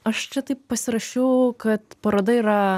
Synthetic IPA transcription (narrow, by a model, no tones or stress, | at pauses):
ɐʃt͡ʃʲɛt̪ɐɪppɐsʲɪɾɐʃʲɛʊkɐt̪pɐɾoːd̪ɐiːɾɐ